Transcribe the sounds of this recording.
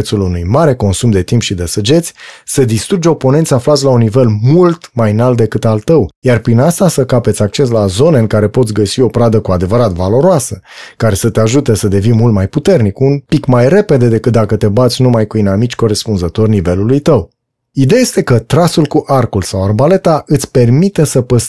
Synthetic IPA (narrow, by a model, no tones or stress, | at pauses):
t̪sulunujmaɾe̞ko̞nsumd̪e̞t̪impʃid̪esəd͡ʒe̞t̪sʲsəd̪ist̪ɾud͡ʒopo̞ne̞nt̪sʲaflat̪sʲlaunːive̞lmult̪majnalt̪̚d̪e̞kɨt̪alt̪əwjarpɾinast̪asəkapet̪sʲak̚t͡ʃe̞s̬lazo̞neɨŋkaɾe̞po̞t̪sʲɡəsio̞pɾad̪əkuad̪e̞vəɾat̪valo̞ɾoasəkaɾe̞sət̪e̞aʒut̪e̞səd̪e̞vinmult̪majput̪e̞rnikunpikmajre̞pe̞d̪e̞d̪e̞kɨt̪̚d̪akət̪e̞bat̪sʲnumajkuinamit͡ʃʲko̞ɾe̞spunzət̪o̞rʲnive̞lulujt̪əw | id̪eaje̞st̪e̞kət̪ɾasulkuʔarkulsawarbale̞t̪aʔɨt̪sʲpe̞rmit̪esəpəs